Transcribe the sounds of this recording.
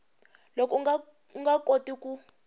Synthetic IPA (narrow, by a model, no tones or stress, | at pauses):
lokʼɔ | uŋɡakʼotʼikʼu